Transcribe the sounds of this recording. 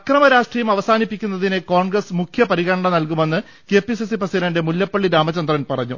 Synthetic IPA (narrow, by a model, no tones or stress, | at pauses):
krɐmɐɾaːʂʈrijɐjumɐʋɐsaːnipːikʲːunːɐðinɨko̞ːɳɡrɐsmukʰjɐpɐɾiɣɐɳɐɳɐmnɐlkume̞nːɨ | ke̞ːpisisiprɐsiɾɐnde̞muljɐpːɐɭːiɾaːmɐt͡ɕːɐnd̪rɐnpɐrɐɲːṵ